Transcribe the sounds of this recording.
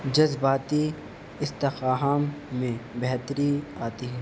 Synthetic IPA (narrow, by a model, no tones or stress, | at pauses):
d͡ʒɐzbaːt̪i | ɪst̪ɪxaːɦaːmːẽbɛɦt̪əɾiaːt̪iɦɛ̃ː